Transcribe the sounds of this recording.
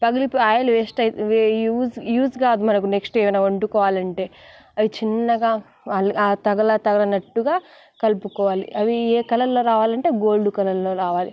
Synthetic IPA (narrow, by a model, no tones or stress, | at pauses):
pɐɡɐlipːaːjɐluʋeːsʈɐuːjuːsɡaːd̪umɐnɐk̬uneksʈeːʋɐjnaːɐɳʈukɔːʋaːlɐɳʈe̞ː | ɐʋit͡ʃinːɐɡaː | lat̪ɐɡɐlɐt̪ɐɡɐlɐnɐʈːuɡaː | kɐlpukɔːʋaːlḭʔɐʋieːkɐlɐlːo̞ːɾaːʋaːlɐɳʈe̞ːɡoːɭɖukɐlɐlːo̞ːɾaːʋaːlḭ